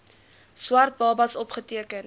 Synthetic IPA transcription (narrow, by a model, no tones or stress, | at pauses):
swɐrt̚bɑːbɐsɔpχətiəkən